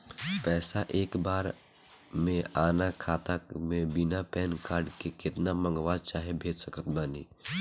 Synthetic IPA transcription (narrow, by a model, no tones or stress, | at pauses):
pɛːsaʔeːkbaːɾ | mẽaːnakʰaːt̪akmẽbɪnapɛːnkaːɾɖkekɪt̪namə̃ŋɡʋaːd̪̚t͡ʃaːɦebʱeːd͡ʒsəkət̪baːnḭː